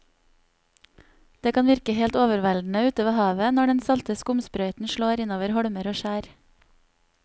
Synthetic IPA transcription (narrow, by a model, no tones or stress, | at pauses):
d̪̥eːkʰɑːnʋɪɾkəheːlt̪oːʋəɾʋæld̪n̩əʉːt̪əʋɑːhɑːʋənɔɖɛnsɑlt̪əskʊmspɾœʏt̪n̩ʃɭoːɾɪnoːʋəɾhɔɽməɾoːʃæːɾ